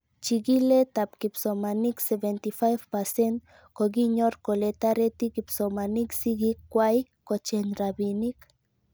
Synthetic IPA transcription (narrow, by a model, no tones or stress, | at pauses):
t͡ʃiɡilet̪apkipsomaniksevent̪ifajvpasent̪ | koɡiɲoɾkolet̪aɾet̪ikipsomaniksiɡikːwajkot͡ʃenɾabinik